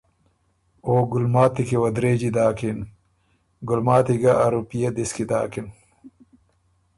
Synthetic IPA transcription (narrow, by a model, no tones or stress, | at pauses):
oːɡulmaːt̪ikiwɐd̪ɾeːd͡ʑid̪aːkin | ɡulmaːt̪iɡɐʔːɾupijed̪iskid̪a̰ːkin